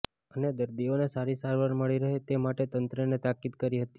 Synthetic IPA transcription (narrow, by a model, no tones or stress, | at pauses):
əned̪əɾd̪ionesaɾisaɾʋaɾməɭiɾəɦet̪emaʈet̪ənt̪ɾənet̪akid̪kəɾiɦət̪i̥